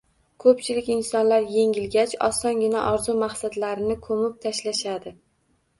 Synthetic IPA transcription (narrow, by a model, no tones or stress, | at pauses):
kʰɵpt͡ʃʰɪlɪkʲɪnsɒnlaɾje̞ŋʲɪlɡʲat͡ʃɒ̰sɒnɡʲɪnaʔɒɾzumaχsad̪laɾɪnɪkʰɵmɪp̚t̪ʰaʃlaʃad̪ɪ